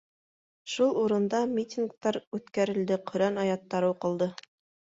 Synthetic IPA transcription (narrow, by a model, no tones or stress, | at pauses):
ʃulˠuɾɤ̆nd̪ɑmʲitʲink̚t̪ɑɾʉt̪kæɾɘ̆ld̪ɘqʰɵ̆ɾænɑjɑt̪ːɑɾɤuqɤ̆lˠd̪ɤ